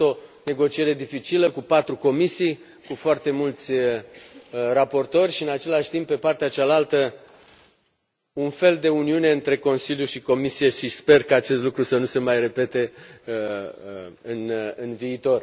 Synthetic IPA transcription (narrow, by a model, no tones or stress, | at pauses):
o̞ne̞ɡo̞t͡ʃie̞ɾe̞d̪ifit͡ʃiləkupat̪ɾuko̞misij | kufoart̪e̞mult̪sʲ | rapo̞rt̪o̞rʲʃiɨnat͡ʃe̞laʃt̪imp̚ːpe̞part̪eat͡ʃalalt̪ə | unfe̞ld̪e̞uniune̞ɨnt̪ɾe̞ko̞nsiljuʃiko̞misije̞ʃispe̞rkaat͡ʃe̞st̪lukɾusənuse̞majre̞pe̞t̪e̞ | ɨnɨnviːt̪o̞r